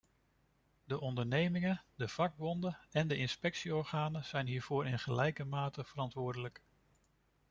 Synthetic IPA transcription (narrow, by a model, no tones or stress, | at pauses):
dəʔɔndəɹnejmɪŋədəv̥ɑɡ̚bɔndəɛndəɪnspɛksiɔɹχaːnəz̥ɛjnɦiːɹv̥ʊːɾɪnχəlɛjkəmaːtəv̥əɾɑntʋʊːɹdələk